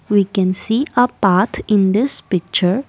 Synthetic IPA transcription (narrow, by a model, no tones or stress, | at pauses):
wikɛ̃nsiːəpaɾtʰɪ̃nd̪ɪspɪk̚t͡ʃəɾ